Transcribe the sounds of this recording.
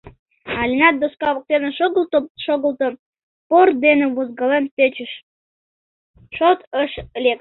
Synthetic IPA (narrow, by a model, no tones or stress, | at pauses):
ɑlʲinɑt̪̚d̪oskɑβə̆k̚t̪enelʃoɣə̆lt̪əm | pord̪enĕβozɡɑlenpet͡ɕə̆ʃ | ʃot̪əʃlʲek